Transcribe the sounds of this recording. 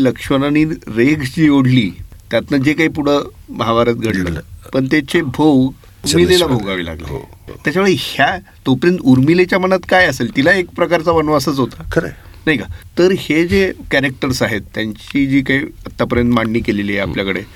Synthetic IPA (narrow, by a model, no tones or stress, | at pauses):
ləkʂənaniːɾeɡd͡ʑiːoɽ̤liːt̪jat̪nəd͡ʑekaipuɽ̤ə | məɦaʋaɾat̪ɡʱəɽlə̰pəɳt̪et͡ɕebʱow | uɾmilelabʱoɡaʋḭːla̰ɡləḛt̪jat͡ɕaʋeɭihja | t̪opəɾjənt̪uɾmilet͡ɕjamənat̪kajəselt̪ilaekpɾəkaɾt͡saʋənʋasət͡sɦot̪akəɾḛ | naɦikat̪əɾhed͡zekæɾek̚ʈəɾsaɦet̪ːjaɲt͡ɕiːd͡ʑiːkaiət̪ːapəɾjənt̪maɳːiːkelelieapljakəɽe